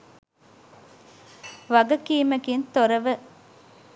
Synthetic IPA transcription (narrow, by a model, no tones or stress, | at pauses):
ʋɐɡɐkiːmɐkint̪oɾɐʋə